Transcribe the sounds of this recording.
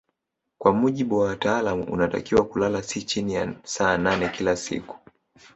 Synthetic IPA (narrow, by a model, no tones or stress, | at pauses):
kwamuʄiɓuwawataːlamuṵnata̰kiwakulalasit͡ʃinijasaːnanɛkilasḭku̥